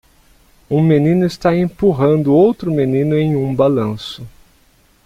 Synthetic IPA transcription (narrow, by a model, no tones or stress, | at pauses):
ũmenĩnʊɪst̪aẽmpuɦɐ̃nd̪ʊowt̪ɾʊmenĩnʊẽj̃ũbalɐ̃sʊ